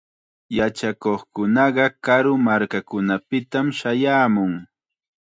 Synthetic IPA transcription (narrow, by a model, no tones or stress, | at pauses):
jat͡ʃakoχkʊnɑɢɑkaɾʊmaɾkakʊnapɪt̪amʃajaːmʊŋ